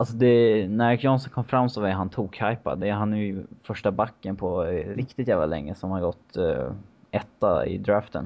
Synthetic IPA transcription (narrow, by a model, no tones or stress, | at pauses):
ʔalsɔd̪ɛnæɾkʰjɔnsɔnkʰɔmːfɾamːsɔvɛɦant̪ʰuːkhajpa̰d̪ɛːɾɦanæjfœʂʈabakːənpʰɔɾɪkt̪ɪt̪jæːvla̰lɛ̰ŋːəsɔhanhaɾɡɔt̪ː | ɛt̪ːa̰ɪ̰d̪ɾaːft̪ə̰n